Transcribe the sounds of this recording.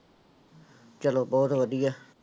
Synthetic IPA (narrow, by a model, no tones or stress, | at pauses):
t͡ʃəloːbɔːt̪ʋəd̪ijaː